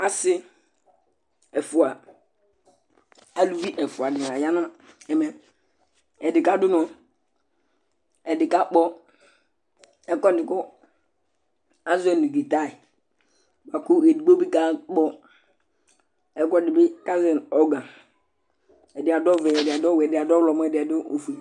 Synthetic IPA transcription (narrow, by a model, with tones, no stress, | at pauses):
a˦sɪ˦ | ɛ˨fʊ˨a˨ | a˨lu˦vi˦ʔɛ˨fʊ˨a˨dɪ˨n˨a˨ja˦nʊ˦a˦ | ɛ˨mɛ˨ | ɛ˨dɪ˨ka˦dʊ˦nɔ˨ | ɛ˨dɪ˨ka˦k͡pɔ˦ | ɛ˦kɔ˦dɪ˨kʊ˦ | ã˦zɛ˦˨ni˨ɡi˨ta˦˨ɪ˨ | ba˨kʊ˦e˨di˨ɡ͡bo˦bi˦ka˦k͡pɔ˦ | ɛ˦kɔ˦dɪ˨bɪ˦ka˦zɛ˨nɔ˨ɡã˨ | ɛ˨dɪ˨a˨dɔ˦vɛ˨ɛ˨dɪ˨a˨dɔ˦wɛ˨dɪ˨a˨dɔ˦wlɔ˨mɔ˦ɛ˨dɪ˨a˨dʊ˦o˨fi˨